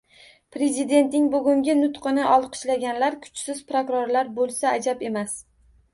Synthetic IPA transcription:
pɾe̞zid̪e̞nt̪nɪŋbʊɡʲʊŋɡʲɪnʊt̪qɨnɪʔɒlˠqʰɨ̥ʃlaɡʲanlaɾkʰʊ̥t͡ʃsɪz̥pɾokʊɾoɾlaɾbolˠsaːd͡ʒabe̞mas

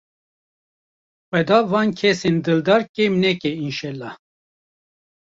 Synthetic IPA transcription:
xʷwɛd̪ɑvɑːnkʰɛsend̪ɨld̪ɑɾkɛmnɛkɛinʃɛlːɑh

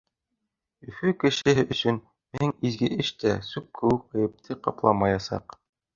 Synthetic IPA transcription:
ɵ̆fɵkɘ̆ʃɘ̆ɦɘʔɵ̆sɵn | mɘ̆ɘŋizɡɘʔɘʃt̪æsʉp̚kʰɘ̆wɘk̚ːɤ̆jɘ̆p̚t̪ʰɘqɑplˠɑmɑjɑsɑ̰q

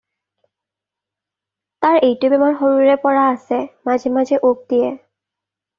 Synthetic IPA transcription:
taɹejtubɛmanxoɹuɹɛpɔɹaːsɛmazɛmazɛʔok̚dijɛ

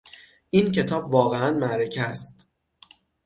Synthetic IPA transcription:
ʔincʰe̞t̪ʰɒːbvɒːɣeænmæɾecʰæst̪

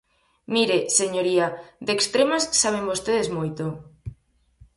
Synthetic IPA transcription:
miɾeseɲoɾiad̪ekst̪ɾemasːaβ̞embost̪eðezmojt̪o

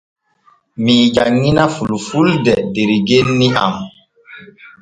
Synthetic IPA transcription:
mid͡ʒaŋːinafulufuldɛdeɾiɡenːia̰m

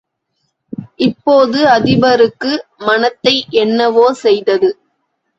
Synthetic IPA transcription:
ʔɪpːoːðɯɐðɪbɐɾɯkːɯmɐnɐt̪ːɐɪʔɛnːɐʋoːsɛjðɐðɯ

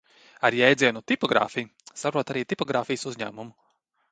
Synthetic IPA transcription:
aɾjɛjd̪ziɛnut̪ipɔɡɾa̰ːfij | sapɾuɔt̪aɾiːt̪ipɔɡɾaːfijsuzʲɲæ̰ːmumu

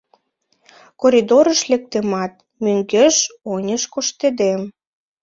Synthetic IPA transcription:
koɾʲid̪oɾəʃlek̚t̪emɑt̪̚ | møŋɡeʃonʲəʃkoʃt̪ed̪em

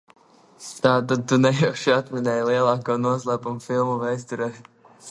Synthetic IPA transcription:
t̪aːt̪ad̪̚t̪unɛjɛʃiat̪mʲinɛjlˠiɛlˠɑːkɔːnuɔslˠæːpumfilˠmuvɛjs̬t̪uɾɛ

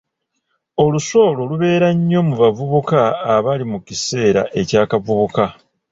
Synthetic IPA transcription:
o̞luso̞ːlo̞luβe̞ːɾaɲːo̞muβavuβukaːβalimucise̞ːɾa̰ʔe̞caːkavuβuka

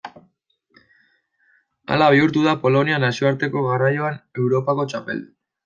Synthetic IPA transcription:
a̰laβ̞iuɾt̪uðapo̞lo̞nianasio̞aɾt̪e̞ko̞ɣarajo̞ane̞wɾo̞pako̞t͡ʃape̞̰ld̪

